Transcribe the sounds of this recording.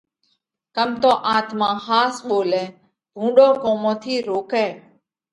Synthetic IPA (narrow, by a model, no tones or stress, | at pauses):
kəmt̪õːʔaːt̪mãːhaːsɓoːlɛ̃ː | bʱũːɗoːkoːmõːt̪ʰiːɾoːkɛː